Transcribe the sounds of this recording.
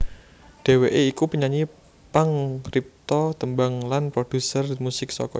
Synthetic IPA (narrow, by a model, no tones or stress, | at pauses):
ɖ̥e̤weʔeikupəɲaɲi | paŋrip̚t̪ɔt̪əmbaŋlanpɾod̥ṳsərmusɪk̚sɔ̰kɔ̰